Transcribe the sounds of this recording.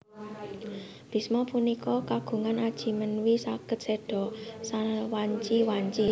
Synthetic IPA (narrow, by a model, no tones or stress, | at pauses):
b̥i̤smɔpunikɔkaɡ̥ṳŋanad̥ʒ̥i̤mənwisakət̪̚seɖ̥ɔ̤sawaɲt͡ʃiwaɲt͡ʃi